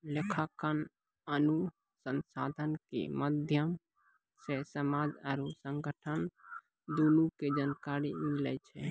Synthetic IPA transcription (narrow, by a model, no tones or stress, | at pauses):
lekʰakən | ənu | sənsad̪ʱənkḛməd̪ʱjəm | sesəmad͡ʒaɾusəŋɡəʈʰən | d̪onuked͡ʒankaɾimilɛ̰t͡ʃʰɛ̰